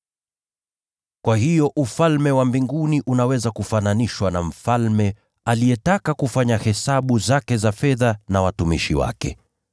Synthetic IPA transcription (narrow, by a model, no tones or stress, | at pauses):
kwahijɔʔufalmɛwambiŋɡuniʔunawɛzakufananiʃwanam̩falmɛ | alijɛtakakufaɲahɛsaɓuzakɛzafɛðanawatumḭʃiwa̰kɛ̰